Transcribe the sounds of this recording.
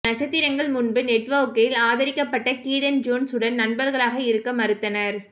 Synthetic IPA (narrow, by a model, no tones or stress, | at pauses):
nɐt͡ʃɐt̪ːɪɾɐŋɡɐɭmʊnbɯnɛʈʋɐʊkːɐjɪlaːðɐɾɪkːɐpːɐʈːɐkiːɽɐnd͡ʒoːnsɯɽɐnnɐnbɐɾɣɐɭaːɣɐɪɾɯkːɐmɐɾɯt̪ːɐnɐɾ